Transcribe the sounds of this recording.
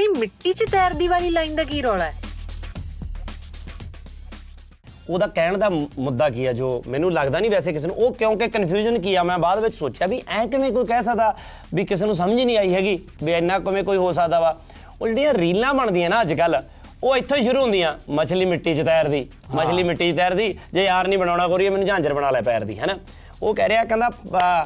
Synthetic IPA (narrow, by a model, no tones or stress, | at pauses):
iːmɪʈːiːt͡ʃət̪ɛːɾd̪iːʋaːliːlaːĩnd̪əɡiːɾɔːɽaɛ | oːd̪aːkɛːɳd̪aːmʊd̪ːaːkɪjaːd͡ʒoːmɛ̃ːnũːləɡd̪aːnĩːbɛːs̬eːk̬ɪs̬eːnṵ̃ːʔoːkjõːkekənpʰjuːd͡ʒənkɪjaːmɛ̃ːbaːd̪ʋɪt͡ʃsoːt͡ʃjaːbiːʔɛ̃ːkɪmẽːk̬oːiːkɛːs̬əkd̪aː | biːkɪs̬eːnũːs̬əməd͡ʒnĩːaːiːɦɛːɡiː | biːɪnːãːkəmẽːkoːiːɦoːs̬əkd̪aːʋaː | oːd͡ʒːɽiːãːɾiːlãːməɳd̪iːãːnãːəd͡ʒkəl | oːɪt̪ʰːõːiʃ̬ʊɾuːɦʊ̃nd̪ijãːmət͡ʃʰliːmɪʈːiːt͡ʃət̪ɛːɾd̪iː | mət͡ʃʰliːmɪʈːiːt͡ʃt̪ɛːɾd̪iːd͡ʒeːjaːɾnĩːbəɽ̃aːɽaːkoːɾiːamɛːnũːd͡ʒãːnd͡ʒəɾbəɽ̃aːlɛːpɛːɾd̪ḭːɦɛːnaː | oːkɛːɾeːaːkɛ̃ːnd̪aː